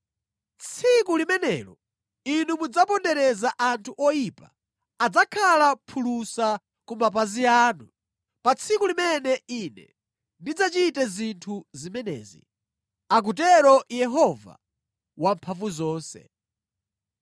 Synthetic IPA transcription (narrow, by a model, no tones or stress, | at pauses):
t͡sʰikulimɛnɛɾɔ | inumud͡zapɔndɛɾɛzaʔantʰuʔɔjiːpa | ad͡zakʰalapʰulusa | kumap̬aziaːnu | pat͡sʰikulimɛnɛinɛ̰ | ndid͡zat͡ʃitɛzintʰuzimɛnɛ̰ːzḭ | ak̬utɛɾɔjɛɦɔva̰ | wampʰavuzɔːnsɛ̰